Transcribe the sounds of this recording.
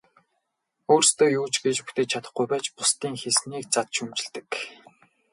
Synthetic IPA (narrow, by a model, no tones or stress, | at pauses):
oːrst̪ʰoːjuːt͡ɕɡet͡ɕpu̥xt̪ʰeːt͡ɕʰat̪ə̆χɡujpæːt͡ɕpʊst̪iːŋxesniːk̚t͡sat̪ʃɵmt͡ɕɪ̆ɮt̪ɘ̥̆k